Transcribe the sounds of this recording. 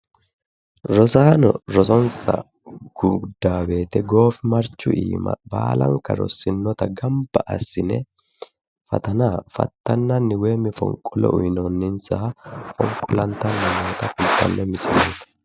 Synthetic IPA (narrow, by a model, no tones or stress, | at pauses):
ɾɔsaːnɔ̰ɾɔsɔnsɐ̰ | ɡ̥ʊɡd̪aːbe̞ːt̪ɛɡo̞ːfɪmɐɾt͡ʃːʊʔḭːmɐ̰ba̰ːlɐ̰ŋkːɐɾɔ̰sːɪnːɔt̪ɐɡɐmbɐʔɐsːɪnɛ | fɐ̰t̪ɐnaːfɐ̰t̪ːɐnːɐnːɪweːmɪfɔ̰ŋkʼːɔlɔ̰ʔʊjnɔnːɪnsɐɐfɔ̰ŋkʼːɔlɐnt̪ːɐnːɐmoːt̪ɐkʊlt̪ːɐ̰nːɛmɪsɪmeːt̪ɐ̥